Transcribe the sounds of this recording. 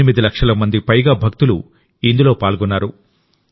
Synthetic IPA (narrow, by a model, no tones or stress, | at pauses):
imid̪ilɐkʂɐlɐmɐnd̪ipɐjɡaːbʱɐk̚t̪ulu | ind̪ulo̞ːpaːlɡɔnːaːɾu